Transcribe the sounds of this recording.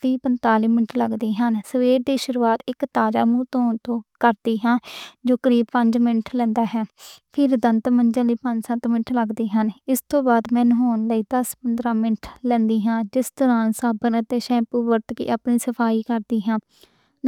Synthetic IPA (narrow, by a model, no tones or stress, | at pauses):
t̪iːpənt̪aːliːmɪnʈʰləɡd̪iːɦənsəʋeːɾd̪iːʃʊɾuːaːt̪ɪkt̪aːd͡ʒa̰ːmũːt̪oːnt̪õːkəɾd̪iːɦãːd͡ʒoːkəɾiːb̚pəɲd͡ʒmɪnʈʰlɛ̃ːnd̪aːɦɛːpʰɪɾd̪ənt̪mənd͡ʒãːliːpəɲd͡ʒsə̃t̪mɪɳʈʰləɡd̪iːɦənɪst̪õːbaːd̪mɛ̃ːnɦoːnləiːd̪əspənd̪ɾãːmɪnʈʰlɛ̃ːnd̪iːɦãːd͡ʒɪst̪əɾãːnsaːbənət̪eːʃɛ̃ːpuːʋəɾt̪kḭːʔaːpniːsəpʰaːiːkəɾd̪iːɦãː